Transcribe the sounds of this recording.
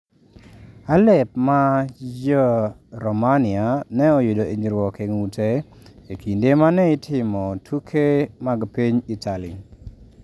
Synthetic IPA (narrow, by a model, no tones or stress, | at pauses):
alɛp̚mad͡ʒɔɾɔmanɪanɛojudoeɲd͡ʒiɾwɔkeŋute | ekʰindemanɛɪtʰɪmɔtʰukʰemaɡpiɲitʰali